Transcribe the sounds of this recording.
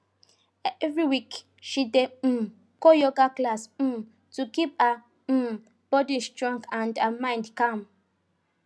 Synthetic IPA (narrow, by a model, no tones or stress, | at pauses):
ɛvɹiwik | ʃide | kojɔɡaklas̩ | tukipa | b̥ɔdistɹãŋkãndamãɪ̃ndkãm